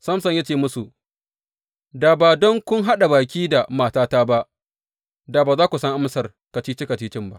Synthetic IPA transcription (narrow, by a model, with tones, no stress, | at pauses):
sɐ˦msɐ˨ɲja˦t͡ʃeː˦˨mʊ˦su˨ | daː˨baː˨dɔ˦ŋkʷʊ˦ŋɦa˦ɗa˨baː˨kʲiː˦da˨maː˨taː˦taː˦ba˦ʔ | daː˨baː˨zaː˦kʷu˨sɐ˦ŋʔa˦msɐ˨r | kɐ˨t͡ʃiː˦t͡ʃɪ˦kɐ˨t͡ʃiː˦t͡ʃɪ˦mba˦ʔ